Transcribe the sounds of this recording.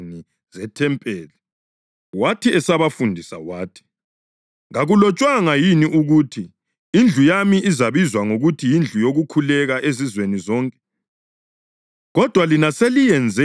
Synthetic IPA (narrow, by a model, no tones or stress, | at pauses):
ni | zɛtʰɛmpʼɛːli | watʰiɛsaβafundʱisawaːtʰi̥ | ŋaɣulɔt͡ʃʼwaŋajiniʔuɣutʰi | ind͡ɮʱujamiʔizaβizwaŋoɣutʰijind͡ɮʱujoɣukʰulɛɣaʔezizwenizɔːŋkʼɛ̥ | ɣɔd̥ʱwalinaselijɛnd͡zʱɛ